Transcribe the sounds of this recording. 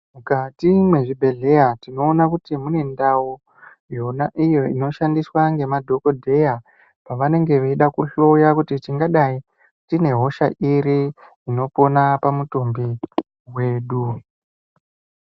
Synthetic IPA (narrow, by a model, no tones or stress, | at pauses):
mukatimwe̞ʐibʱe̞ɮe̞jatino̞ːnakutimune̞ndawo | jo̞naʔijo̞ino̞ʃandiswaŋɡe̞madʱo̞ko̞dʱe̞ja | paʋane̞ŋɡe̞ʋeiɗakuɬoujakutit͡ʃiŋɡaɗai | tine̞ɦo̞ʃaʔiɾiː | no̞po̞napamutombi | we̞ːɗu